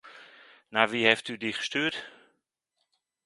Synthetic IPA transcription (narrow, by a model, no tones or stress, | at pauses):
naʋihɛftydiχə̥styət